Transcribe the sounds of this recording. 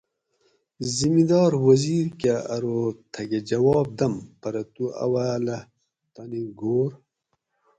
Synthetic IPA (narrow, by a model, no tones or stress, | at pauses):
zimid̪ɑːɾwɐziːɾkaɐ̰ɾot̪ʰɐɡed͡ʑɐwɑːb̚d̪ɐmpɐɾɐt̪uɐ̰waːlɐ | t̪ɐniɡoːɾ